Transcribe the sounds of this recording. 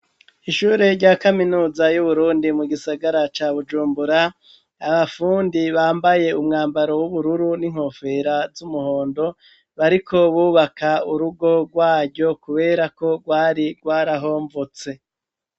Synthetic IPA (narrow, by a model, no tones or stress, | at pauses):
iʃuːɾeɾɟaːkaminuːzajuβuɾuːndimuɡisaɡaɾat͡ʃaːβud͡ʒuːmbuɾaː | βafuːndiβaːmbaje̞umŋaːmbaɾo̞wuβuɾuɾuniŋ̥ho̞fe̞ɾazumuho̞ːndo̞ | βaɾikʰo̞βuːβakauɾuɡo̞ɡwaːɾɟo̞kuβe̞ːɾako̞ɡwaːɾiɡwaːɾaɦo̞ːɱvot͡se̞